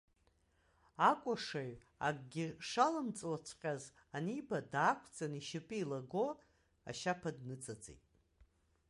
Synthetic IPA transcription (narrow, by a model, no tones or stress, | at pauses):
akʷʼaʂaɥ | a̰ɡ̚ʼɡʲɪʂalɨmt͡sʼwat͡sʷʰqʲʼaz | anibadaːkʷʰd͡zʼaniʃɪpʼiːlaɡo | a̰ʃapʰadnɨt͡sʼad͡zʼḛjtʼ